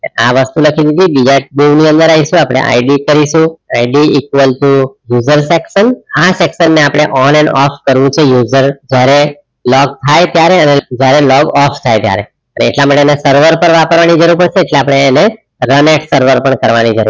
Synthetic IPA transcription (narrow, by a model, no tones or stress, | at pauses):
aʋəst̪uləkʰid̪id̪ibid͡ʒaʈ̚b̪iʋniə̃nd̪əɾaɦiʃũapɽ̃ḛʔa̰iɖikəɾiʃũaiɖiːkʋəlʈujuzəɾsekʃənasekʃənːeapɽ̃eʔɔnɛ̃ɳɖɔfkəɾʋũt͡ʃʰejuzəɾd͡ʒjaɾe | lɔɡ̚t̪ʰajt̪jaɾeəned͡ʒjaɾelɔɡɔft̪ʰajt̪ja̰ɾḛ | ənḛːʈlamaʈeːnesəɾʋəɾpəɾʋapəɾʋanid͡ʒəɾuɾpəɽseːʈleapɽ̃eːne | ɾənɛʈsəɾʋəɾpəɳkəɾʋanid͡ʒəɾṵ